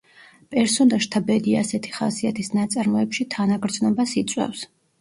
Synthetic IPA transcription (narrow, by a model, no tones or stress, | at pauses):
pʼɛɾsɔd̪aʃt̪ʰabɛd̪iasɛt̪ʰi̥χa̰siat̪ʰisnat̪sʼaɾmɔɛpʃit̪ʰanaɡɾd̪znɔbasit̪sʼwɛ̰fs